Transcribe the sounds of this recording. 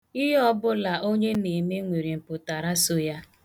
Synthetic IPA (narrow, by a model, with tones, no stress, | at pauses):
ɪ˦ɦɔ˦bʊ˦la˨ʔo˦ɲe˦ne˨me˦ŋʷe˨ɾi˨m̩˨pʊ˨ta˨ɾa˦so˦ja˦